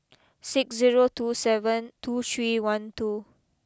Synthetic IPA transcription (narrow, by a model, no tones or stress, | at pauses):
sɪksziɹotusɛvə̃ntʰut̪ʰɹiwãntu